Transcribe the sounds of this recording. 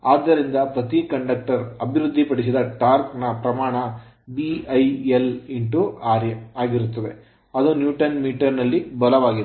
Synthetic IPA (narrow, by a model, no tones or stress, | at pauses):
aːd̪ːɐɾind̪ɐpɾɐt̪ikɐɳɖɐk̚ʈɐɾɐbʱiɾud̪ʱːipɐɽis̬id̪ɐʈaːɾknɐpɾɐmaːɳɐ | biɐjeliɳʈuaːɾjɐaːɡiɾut̪ːɐd̪e | ɐd̪unjuːʈɐnmiːʈɐɾnɐlːibɐlɐʋaːɡid̪